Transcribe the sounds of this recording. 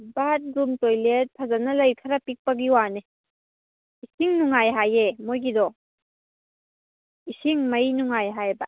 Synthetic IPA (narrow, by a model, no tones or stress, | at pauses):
bat̚ɾumtojlet̚pʰazanɐlɐjkʰaɾapik̚pɐɡiwane | isiŋnuŋajɦajemojɡidɔ | isiŋmɐjnuŋajɦajba